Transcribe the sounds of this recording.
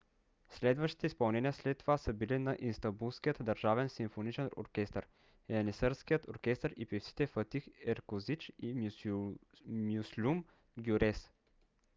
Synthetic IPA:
slɛd̪vəʃt̪i̥t̪ɛispɐlˠnɛnijəslɛt̪ːovasəbilinɐʔinst̪ɐmbulˠskijət̪d̪ɐɾʒavɛnsimfonit͡ʃɛno̰ɾkʲɛst̪əɾ | ɛɐnisəɾskijət̪oɾkɛst̪əɾipiftsi̥t̪ɛfət̪ixɛɾkozit͡ʃi | muslʲum | ɡʲjuɾɛs

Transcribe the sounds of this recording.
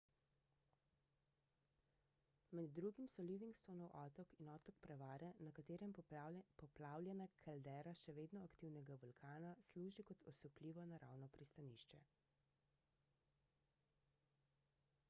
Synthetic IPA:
mɛd̪ːɾuːɡimsɔliʋiŋkst̪onɔwʔɔt̪ɔkinɔːt̪ɔkpɾɛʋaːɾɛnakat̪eːɾɛmpɔplaːwljɛnakʰald̪ɛːɾaʃɛʋeːd̪nɔakt̪iːwnɛɡabɔlkʰaːnasluːʒikɔt̪ɔsukliːʋɔnaɾa̰ːwnɔpɾist̪aniːʃt͡ʃɛ

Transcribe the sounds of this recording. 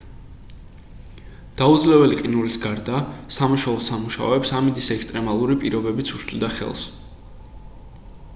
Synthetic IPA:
d̪̥aud̪zlɛvɛliqʼinulisɡaɾd̪asamaʃwɛlˠɔsamuʃa̰ɔɛpsamid̪isɛkst̪ʼɾɛmalˠuɾipʼiɾɔbɛbit̪sʰuʃʰʼlid̪aχɛ̰lˠs

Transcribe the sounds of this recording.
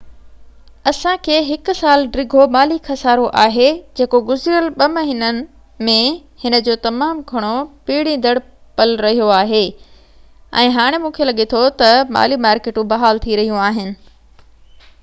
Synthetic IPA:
ɐsãkʰeːɦɪkʊsaːlɖɾɪɡʱomaːlixʰɐsaːɾoʔaːɦed͡ʑeːkoɡʊzɾijəlɓɐmɐɦiːnənɪ̆ | mẽhɪnə̆d͡ʑoːt̪ɐmaːmɡʱɐɽ̃opiːɽĩnd̪ɐɽ̤ | pɐlɾɐɦijoaːɦeː | ɛ̰̃ːɦaːɽ̃emũːkʰelɐɠet̪ʰot̪ɐma̰ːlimaːɾkeːʈũbɐɦaːlt̪ʰiɾɐɦijũaːɦɪnɪ̆

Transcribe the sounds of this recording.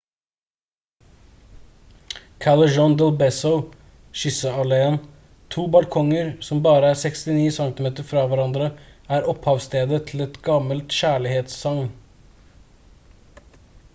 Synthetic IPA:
kʰɑɭəd͡ʒɔnd̪ɛlbɛsəʊ | ʃʏsəɑleːən | t̪ʰuːbɑlkʰɔŋəɾsɔmbɑːɾəæːsɛkst̪ɪniːsɑŋt̪ɪmeːt̪əɾfɾɑːʋæɾɑnd̪ɾəæːɾɔphɑːʋst̪eːd̪ət̪ʰl̩ɛt̪ɡɑməlt̪ʃæːɭɪheːt̪sːɑŋn

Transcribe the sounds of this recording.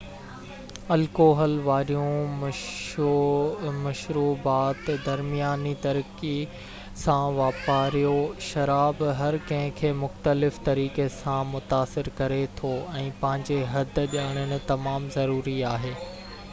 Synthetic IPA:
ɐlkoːɦəlʋaːɾijũm | mɐʃɾuːbaːt̪d̪ɐɾmijaːnit̪ɐɾki | sãʋaːpaːɾijoʃɐɾaːbɦɐɾkɐ̃ɦɪ̃kʰeːmʊxt̪əlɪft̪ɐɾiːkesãmʊt̪aːsɪɾkɐɾet̪ʰoɛ̃ːpɐ̃ɦɪ̃ɲd͡ʑeɦɐd̪̆ʱʄaːɽ̃əɽ̃ɪ̆t̪ɐmaːmzɐɾuːɾiaːɦeː

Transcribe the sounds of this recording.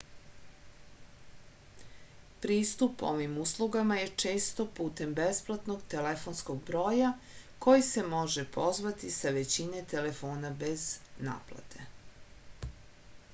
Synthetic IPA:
pɾiːst̪upo̞̰ʋimuslˠuɡamaje̞t͡ʂe̞ːst̪o̞puːt̪e̞mbesplˠat̪no̞ɡt̪elefo̞nsko̞ɡ̚bɾo̞ːjako̞jise̞mo̞ʒepʰo̞zʋat̪isaʋe̞t͡ɕine̞t̪e̞le̞fo̞ːnabe̞zna̰ːplˠa̰t̪ʰe̞

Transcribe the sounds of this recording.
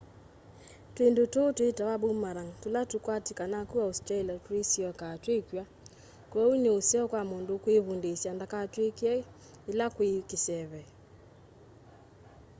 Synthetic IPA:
twendototwetaβabomaɾaŋtolatukwatikanakuaustailatesiɔkatwekja | kwɛuneosɛɔkwamondokweβundesjandakatwekiɛ | elakwekesɛβɛ

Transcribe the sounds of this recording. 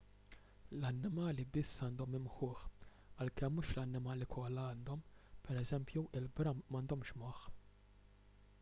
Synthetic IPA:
lɐnːɪmɐːlibɪsːɐːnd̪ɔmɪmħʊːħ | ɐlkɛmːuːʃlɐnːɪmɐːlikʰɔlːɐɐːnd̪ɔmpɛɾɛzɛmpjuʔɪlbɾɐmːɐnd̪ɔmʃmɔħ

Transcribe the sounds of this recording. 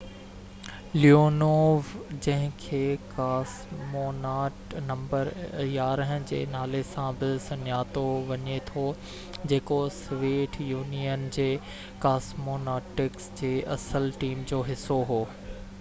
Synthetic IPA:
lioːnoːʋd͡ʑɐ̃ɦɪ̃kʰeːkaːs | moːnaːʈnɐ̃mbəɾjaːɾəɦə̃d͡ʑḛːnaːlesãbɪsɐɲaːt̪oʋɐɲet̪ʰo | d͡ʑeːkosʋeːʈʰjuːnijənd͡ʑeː | kaːsmoːnaːʈɪksd͡ʑeːʔɐsəlʈiːmd͡ʑoːɦɪsoɦoː

